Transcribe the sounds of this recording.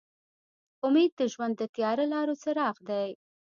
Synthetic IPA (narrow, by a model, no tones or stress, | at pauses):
ʊmed̪̚d̪əʒwand̪ːət̪jɑɾalɑɾot͡səɾɑxd̪aj